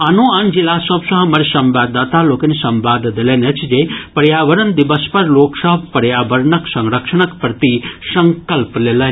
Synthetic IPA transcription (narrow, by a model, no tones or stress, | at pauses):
ɐnoɐnd͡ʒilasəbsɐɦɐ̃mɐɾisɐmbaːd̪ːaːt̪aloːkɐnisɐmbaːd̪ʱd̪elenɐt͡ʃʰd͡ʒepɐɾjaːʋəɾənd̪iʋəspɐɾloːksəɦbpɐɾjaːʋəɾɳɐksɐŋɾəkʂɐɳɐkpɾɐt̪isɐŋkəlpleːle